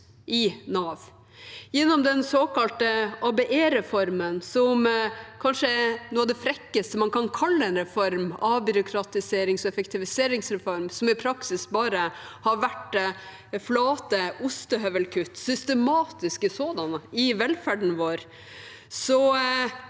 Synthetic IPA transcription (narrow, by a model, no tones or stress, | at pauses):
ʔɪnɑːʋ | jɛnːɔmd̪ɛnsoːkɑlt̪əʔɑbɛʔeːɾɛfɔɾmənsɔmkʰɑnʂənoːɔd̪ɛfɾɛkːəst̪əmɑnkʰɑnkʰɑlːəɛnɾɛfɔɾmɑbʏɾʊkʰɾɑt̪ɪseːɾɪŋsɔɛfɛkt̪ʰɪʋɪseːɾɪŋsɾɛfɔɾmsɔmɪpʰɾɑksɪsbɑːɾəhɑɾʋæʈ | flɑːt̪əʊst̪əɦœʋəlkʰʉt̪ːsʏst̪əmɑːt̪ɪskəsoːd̪ɑnəɪʋɛlfæɖɳ̩ʋoːɾ | sɔ